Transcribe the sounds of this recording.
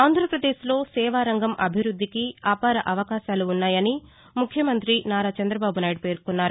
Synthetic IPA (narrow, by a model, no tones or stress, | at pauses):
aːnd̪ʱɾɐpɾɐd̪eːʃlo̞ːsɛːʋaːɾɐŋɡɐmʔɐbʱiɾud̪ʱːikiaːpaːɾɐʔɐʋɐkaːʃaːluːnːaːjɐni | mukʰjɐmɐnt̪ɾinaːɾaːt͡ʃɐnd̪ɾɐbaːbunaːjɖ̚pe̞ːɾkunːaːɾu